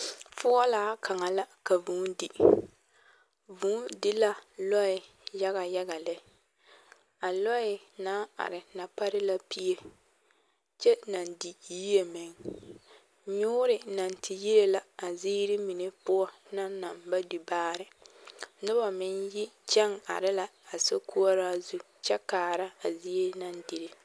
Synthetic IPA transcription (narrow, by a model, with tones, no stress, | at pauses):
fʊ˦ɔ˦laː˦ka˨ŋa˨la˦ka˨vu˨˦n˦di˨ | vu˨˦dɪ˦la˦lɔ˦ɪ˨ | ja˦ɣa˨ja˦ɡa˨lɛ˦ | a˨lɔ˦ɪ˨na˦a̰˨ɾɪ˨na˨pa˦ɾɪ˦la˦pi˦e˦ | t͡ʃɛ˦na˨ndi˨˦i˦e˨mɪ˨ŋ | ɲʊː˦ɾɪ˨na˨n˨ti˨ji˦ɾe˦la˨a˨zi˦ɾɪ˦mi˨ne˦pʊ˦ɔ˦ | na˦na˨mba˦du˨baː˦ɾɪ˨nʊ˦ba˨mɪ˦nji˦t͡ʃɛ˦ŋa̰˨ɾɪ˦la˨a˨so˦kʰu˦ɔ˦ɾa˦zu˦ | t͡ʃɛ˦kaː˨ɾa˦a˨zi˦e˦na˨n˦di˨ɾɪ˨